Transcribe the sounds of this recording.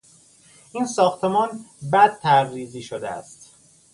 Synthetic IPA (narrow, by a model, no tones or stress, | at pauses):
ʔiːnsɒːxt̪ʰemɒːnbæd̪̥̚t̪ʰæɾːiːziːʃod̪ḛæ̰st̪